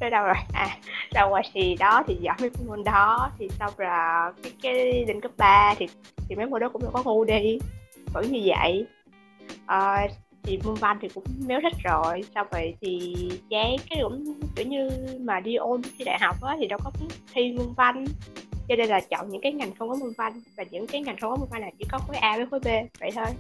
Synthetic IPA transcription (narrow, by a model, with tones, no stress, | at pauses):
tə˨˦ɗə˧wzo˨˩jʔaː˨˩zaː˧waː˧˩jsi˧˨˩ɗɔ˨˦t̪ʰi˨˩zɔ̰ː˧˩˦və˨˦kːŋu˧nɗɔ˨˦t̪ʰi˨˩sa˧wŋ͡mzaː˨˩kaː˨˦jkaː˨˦jɗï˨˩ŋ̟kə˦˥p̚ɓaː˧t̪ʰi˨˩t̪ʰi˨˩mə˨˦mo˧ɗɔ˨˦kʊ˧˥ŋ͡mɗɔ˧˩kɔ˨˦ŋu˧ɗi˧və̰˧˩˦ɲɨ˧və̰˧˨j | ʔəː˨˩t̪ʰi˨˩mɨ˧ənva˧nt̪ʰi˨˩kʊ̰˧˥ŋ͡mme˨˦wzə˦˥t̚zo˨˩jsa˧wvə̰˧˨jt̪ʰi˨˩t͡ɕɛ˨˦kaː˨˦jkʊ̰˧˥ŋ͡mt͡ɕḭ˧˩˦ɲɨ˧maː˨˩ɗi˧ʔo˧n˧˦kxi˧ɗa̰ː˧˨jɦa˨˩wk͡p̚ʔaː˨˦t̪ʰi˨˩ɗɔ˨˦wkɔ˨˦ki˨˦˥t̪ʰi˧mɨ˧əŋva˧ŋt͡ɕɔ˧ne˧nlaː˨˩t͡ɕɔ̰˧˨ŋ͡mɲɨ̰˧˥ŋkaː˨˦jŋa˨˩jŋ̟xə˧wŋ͡mkɔ˨˦mɨ˧ŋva˧ŋvaː˨˩ɲɨ̰˧˥ŋkaː˨˦jŋa˨˩jŋ̟xə˧wŋ͡mkmu˧ŋva˧nːaː˨˩wt͡ɕḭ˧˩kɔ˨˦xo˨˦jʔaː˧vəː˨˦jxo˨˦jɓe˧və̰˧˨jt̪ʰo˧j